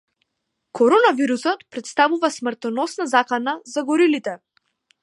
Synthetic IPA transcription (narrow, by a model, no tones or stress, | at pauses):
kʰɔɾɔnaviɾusɔt̪pɾɛt̪st̪avuvasmɾt̪ɔnɔsnazakanazaɡɔɾilit̪ɛ